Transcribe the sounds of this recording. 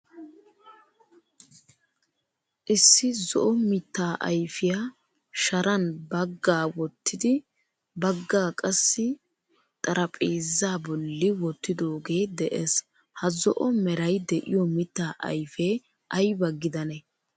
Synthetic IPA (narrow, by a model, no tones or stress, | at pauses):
ʔɪsːɪzɔ̰ʔɔmɪt̪ːaːʔɐ̰jfɪja | ʃɐɾɐnbɐɡːaːwɔt̪ːɪd̪ɪ | bɐɡːaːkʼɐsːɪ | t̪ʼɐɾʔɐpʼeːzːaːbɔlːɪwɔt̪ːɪd̪o̞ːɡe̞ːd̪ɛʔɛs | hɐzɔ̰ʔɔmɛɾɐjd̪ɛʔɪ̰jɔmɪt̪ːaːʔɐ̰jfeː | ʔɐjbɐɡːɪd̪ɐnɛ